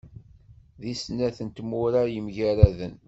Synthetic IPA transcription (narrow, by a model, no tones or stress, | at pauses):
ðisnæθənt̪mʊɾajəmʝæɾæðən